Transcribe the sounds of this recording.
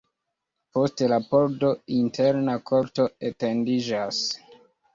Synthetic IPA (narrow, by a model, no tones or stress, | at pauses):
po̞ste̞lapo̞ɾdointʰeɾnakʰo̞ɾto̞ete̞ndid͡ʒas